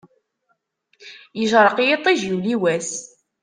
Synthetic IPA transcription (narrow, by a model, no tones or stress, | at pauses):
jəʒɾˤəqjet̪ˤːiʒiwliwæs